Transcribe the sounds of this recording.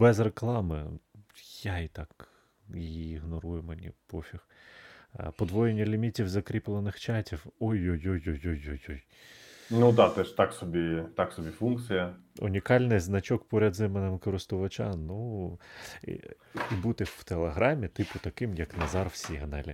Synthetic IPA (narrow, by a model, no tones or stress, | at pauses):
bɛzreklˠɑmɪ̰ | jait̪ɑk | iiːɦnɔɾujʊmenʲḭpɔfʲix | pɔd̪ʋɔjenʲːɐlʲimʲitʲiwzɐkɾʲiplˠenɪxt͡ʃɑtʲiwɔjojojojojojɔj | nud̪ɑt̪ɛʃt̪ɑksɔbʲit̪ɑksɔbʲifunk̚t̪sɨjɐʊ̰nʲikɑlʲnɪjznɐt͡ʃɔkpɔɾʲɐd̪zɪmenɪmkɔɾɪst̪ʊʋɐt͡ʃɑnu | ibut̪ɪw̥t̪elˠeɦɾɑmʲit̪ɪpʊt̪ɐkɪmjɐknɐzɑrwsʲiɦɐnɛlʲɪ